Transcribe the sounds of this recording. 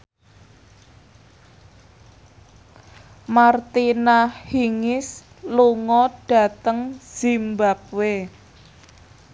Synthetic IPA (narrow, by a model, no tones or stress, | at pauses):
mart̪inahiŋɪs | luŋɔɖ̥a̤t̪əŋz̥imbap̚we